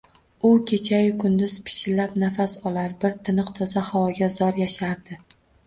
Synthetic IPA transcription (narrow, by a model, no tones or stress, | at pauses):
ʊkʲʰe̞t͡ʃʰajɪkʰʊnd̪ʊzpʰɪ̥ʃɪlːapnafasɒlaɾbɪɾt̪ʰɪnɨqt̪ʰɒzahawɒɡʲazɒɾjaʃaɾd̪ɪ